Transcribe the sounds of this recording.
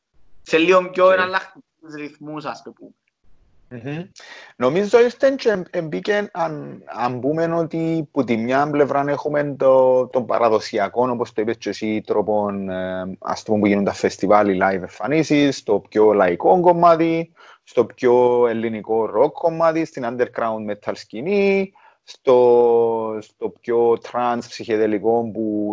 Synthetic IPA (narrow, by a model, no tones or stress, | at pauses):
seliomcoenɐlːɐxt̪iit̪izɾiθmusɐspepume | m̩m̩no̞mizːoist̪ent͡ʃeembicenanɐmpume̞no̞t̪iput̪̬imɲample̞vɾanexume̞nt̪ot̪o̞mbɐ̰ɾɐðo̞siɐko̞nopost̪oipest͡ʃːesit̪ɾopona̰st̪umompuʝinunt̪ɐfːest̪ivalilajveɱfɐnisist̪o̞pcolaiko̞ŋɡo̞mːat̪i | st̪o̞pcoelːiniko̞rokʰko̞mːat̪ist̪inɐnd̪e̞ɾɡɾawnd̪met̪ʰːalscini | st̪o | st̪o̞pcot̪ʰɾanspsiçeðeliko̞mpu